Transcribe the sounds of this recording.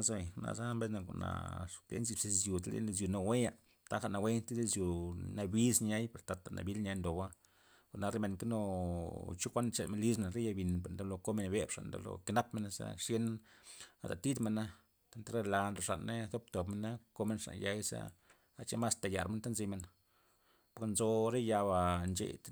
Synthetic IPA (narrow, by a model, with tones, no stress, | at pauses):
a˦zna̰˨za˦mbe˦zna˧ko̰˨na̰˨plḛ˦nzi˧bse˧zju˨t̪lḛ˦˧z̬ju˨no˧we˦ja˧ | t̪a˦xa˦˨na˨˧we˦nt̪e˦d̪e˦sju˨na˧bi˦sɲa˦jpe˨ɾt̪a˧t̪a˨nʔa̰˨bi˦lɲa˧jnd̪o˨ba˦ | a˨na˧ɾe˦me˧nka˦no˧ | t͡ʃu˦kʷa˦n˦t͡ʃe˧lme˧nli˦sna˨ɾe˦ja˧bi˨npe˨nd̪a˦lo˧ko˦me˧nbe˦bʂa̰˨nd̪o̰˧lo̰˨ke˧˦na˦pme˧na˧sa̰˦ʂje˦n | a˨d̪a̰˨t̪i˦d̪me˧nːa˦ | t̪a˦nt̪a˦ɾe˦˧la˧nlo˨ʂa˨nːe˦ðo˦b̚t̪o˨pme˧nːa˦ko˦me˧nʂa̰˨nja˦jsa̰˦ | a˨t͡ʃe˦ma˦st̪a˨ja˨ɾme˧nt̪a˦nzi˧me˧˨n | po˨knzo˧ɾe˦ja˧βa˨nt͡ʃḛ˨t̪